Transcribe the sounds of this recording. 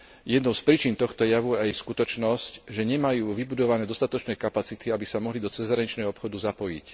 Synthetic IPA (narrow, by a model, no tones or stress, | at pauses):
jɛd̪nɔʊspɾiːt͡ʃint̪ɔxt̪ɔjaʋuɛjskut̪ɔt͡ʃnɔscʒɛɲɛmajuːʋibud̪ɔʋanɛːd̪ɔst̪at̪ɔt͡ʃnɛːkapat͡sit̪iabisamɔɦlid̪ɔt͡sɛzɦɾaɲit͡ʃnɛɦɔɔpxɔd̪uzapɔjḭc